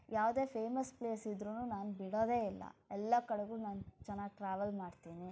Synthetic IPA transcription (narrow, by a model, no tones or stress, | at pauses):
jʔaːʋd̪e̞ːpʰeːmɐspleːsid̪ɾunuːnaːnubiɽo̞ːd̪e̞ːilːɐ̰ɛlːɐkɐɽeɡuːnaːnt͡ʃɛnːaːɡʈɾaːʋɐlmaːɽt̪iːni